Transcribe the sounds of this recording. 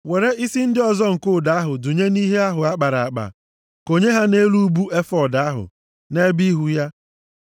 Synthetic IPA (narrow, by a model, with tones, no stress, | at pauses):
we˨ɾe˦i˦si˦n̩˦dɪ˦ɔ˨zɔ˦ŋ̩˨kʊ˦˨da˨˦ɦʊ˨du˨ɲe˦ni˦ɦe˦a˦ɦʊ˨a˦k͡pa˨ɾa˨a˨k͡pa̰˨ | ko˨ɲe˦ɦa˦ne˦lu˦bu˦e˦fɔ˨da˨a˦ɦʊ̰˨ | ne˦bi˦ɦu˦ja˦